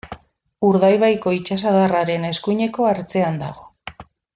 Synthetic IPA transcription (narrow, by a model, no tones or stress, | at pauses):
uɾðajβajko̞it͡ʃas̬aðaraɾe̞ne̞skuɲe̞ko̞aɾt͡se̞and̪a̰ɣ̞o̞̥